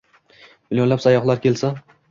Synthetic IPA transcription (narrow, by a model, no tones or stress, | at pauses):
mɪljonlapsajɒχlˠaɾkʲe̞lsa